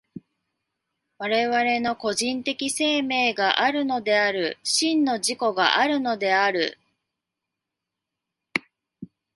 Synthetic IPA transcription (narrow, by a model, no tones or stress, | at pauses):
βaɾe̞βaɾe̞no̞ko̞ʑĩnt̪e̞kʲise̞ːme̞ːɡaʔaɾɯ̟no̞d̪e̞aɾɯ̟ɕĩnːo̞ʑiko̞ɡa̰ʔaɾɯ̟no̞d̪e̞aɾɯ̟̰